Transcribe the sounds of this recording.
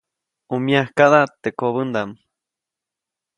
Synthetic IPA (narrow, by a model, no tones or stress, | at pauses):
umjahkaðat̪eʔkoβənd̪am